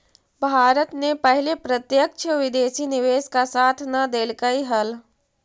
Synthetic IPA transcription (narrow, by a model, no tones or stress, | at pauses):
bʱaːɾət̪nepɐɦlepɾət̪jək̚t͡ʃʰəʋɪd̪eːsinɪʋeːskasaːt̪ʰnɐd̪eːlkəiɦɐl